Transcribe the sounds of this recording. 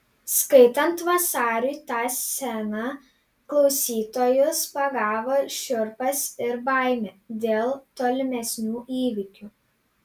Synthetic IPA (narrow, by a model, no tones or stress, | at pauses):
skɐɪt̪ɐnt̪ʋɐsɑːɾʲuːt̪ɑːsʲɛnɐ | klˠɒʊsʲiːt̪oːjʊspɐɡɑːʋoːʃʲʊɾpɐsɪɾbɑˑɪmʲed̪ʲeːlˠt̪oːlʲɪmʲɛsʲnʲuːʔiːʋʲɪkʲuː